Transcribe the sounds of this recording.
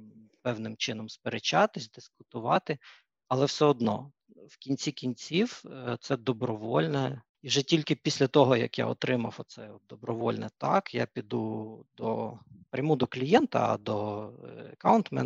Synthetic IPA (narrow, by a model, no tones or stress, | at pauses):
pɛwnɪmt͡ʃɪnɔmspeɾet͡ʃɑt̪ɪsʲd̪ɪskʊt̪ʊʋɑt̪ɪ | ɐlˠɛwsɛɔd̪nɔ̰ | wkʲinʲt͡sʲikʲinʲt͡sʲiwt̪sɛd̪ɔbɾɔʋɔlʲnɛ | iʒɛtʲilʲkɪpʲisʲlʲɐt̪ɔɦɔjɐkja̰ɔt̪ɾɪmɐwɔt̪sɛɔd̪ɔbɾɔʋɔlʲnɛt̪ɑkja̰pʲid̪ud̪ɔ̰pɾʲɐmud̪ɔklʲijɛnt̪ɐ̰ɐ̰d̪ɔ | ɐkawʊnt̪mɛ̰